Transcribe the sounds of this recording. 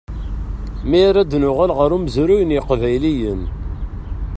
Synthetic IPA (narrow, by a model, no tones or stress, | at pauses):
miɾæd̪nʊʁælʁəɾuməzɾujənjɪqvæjlijən